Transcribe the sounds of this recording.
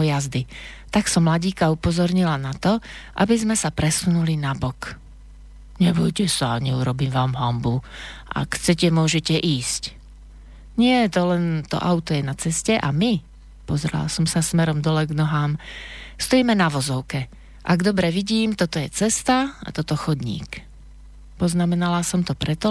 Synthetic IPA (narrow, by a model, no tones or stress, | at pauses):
ɔjazd̪it̪aksɔmːlaɟiːkaupɔzɔɾɲilanat̪ɔʔa̰bizmɛsapɾɛsunulinabɔk | ɲɛbɔjcɛsaɲɛuɾɔbiːmʋaːmɦɔmbuʔa̰kxt͡sɛcɛmʊɔʒɛcɛʔiːsc | ɲɪɛt̪ɔlɛnt̪ɔ̰ʔaʊt̪ɔjɛnat͡sɛscɛʔami | pɔzɾɛ̰la̰sɔmsasmɛɾɔmd̪ɔlɛɡnɔɦaːmst̪ɔiːmɛnaʋɔzɔʊkɛ | ʔa̰ɡd̪ɔbɾɛʋiɟiːmt̪ɔt̪ɔjɛt͡sɛst̪aa̰t̪ɔt̪ɔxɔd̪ɲḭːk | pɔznamɛnalasɔmt̪ɔpɾɛt̪ɔ